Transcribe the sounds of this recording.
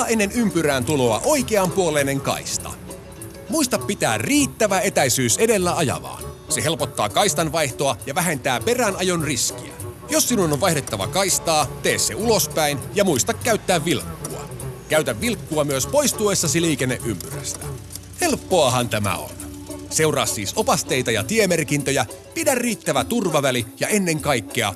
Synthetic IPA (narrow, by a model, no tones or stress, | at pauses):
ʔenːe̞nympyɾæːnt̪uloɑ̰ʔo̞jkeɑmpuolene̞ŋkɑ̰ist̪ɑ̰ | muist̪ɑpːit̪æːrriːt̪ːæʋæe̞t̪æjsyːse̞de̞lːæɑjɑ̰ʋɑ̰ːn | se̞ɦe̞lpot̪ːɑ̰ːkɑist̪ɑnʋɑjht̪oɑjɑʋæɦe̞nt̪æːpe̞rænɑjonriskiæ̰josːinunoʋʋɑjhdet̪ːɑʋɑ̰kɑjst̪ɑːt̪e̞ːsːe̞ulospæinjɑmuist̪ɑkːæyt̪ːæːʋːilkːuɑ̰kæɥt̪æʋːilkːuɑmyøspo̞jst̪uesːɑsiliːkenːḛʔympyræ̰st̪æ̥̰ | he̞lpːo̞ɑɦɑnt̪æmæ̰o̰nse̞wrɑ̰ːsːḭːso̞pɑst̪e̞jt̪ɑjɑ̰t̪iemerkint̪øjæ | pidærriːt̪ːæʋæt̪urʋɑʋælijɑe̞nːe̞ŋkɑjkːeɑ̰